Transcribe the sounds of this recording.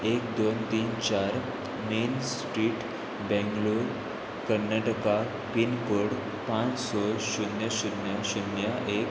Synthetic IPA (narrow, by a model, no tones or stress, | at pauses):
ekd̪ont̪iːnt͡ɕaɾ | mensʈɾiːʈ | bɛ̃ŋɡluɾ | kəɾnaʈəka | pinkoɽ | pãt͡ssɔɕunjəɕunjaɕunjaʔek